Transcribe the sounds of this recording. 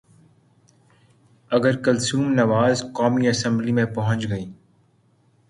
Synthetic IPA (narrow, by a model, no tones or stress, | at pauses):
ɐɡəɾkɐlsuːmnɐʋaːzkaːmiɐsə̃mblimẽpɐɦʊ̃t͡ʃɡɐiː